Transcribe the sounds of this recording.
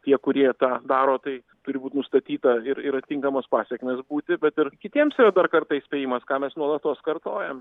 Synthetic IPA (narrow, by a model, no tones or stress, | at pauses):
t̪ʲiɛkʊɾʲiɛt̪ɑːd̪ɑːɾoːt̪ɐɪ | t̪ʊɾʲɪbuːt̪ʲnʊst̪ɐt̪ʲiːt̪ɐɪɾɪɾɐt̪ʲɪŋkɐmɐspɑːsʲɛkmʲeːsbuːt̪ʲɪbʲɛt̪ɪrkʲɪt̪ʲiɛmsiɾɐd̪ɐrkɐrt̪ɐɪisʲpʲɛːjɪmɐskɑːmʲɛsnuɔlˠɐt̪oːskɐrt̪oːjɛm